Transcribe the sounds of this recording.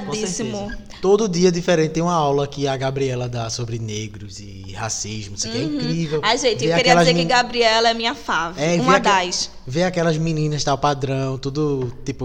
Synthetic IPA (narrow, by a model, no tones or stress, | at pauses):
d̪sisimʊ | t̪od̪ʊd̪iɐd̪ifeɾẽnt̪ɪd̪ẽũmɐawlɐkɪɐɡabɾiɛlɐd̪asobɾɪneɡɾʊzɪ | ha̰siʒmʊsɪkɛĩŋkɾivɛwaʒẽt̪ɪeewakɾiɛɐɛlɐzeɪɡabɾiɛlɐɛmĩɲɐfavɛṽmeɐakd̪ajʃ | veakɛlɐzmĩnĩnɐʃt̪awpad̪ɾɐ̃w̃t̪ud̪ʊt̪ipʊ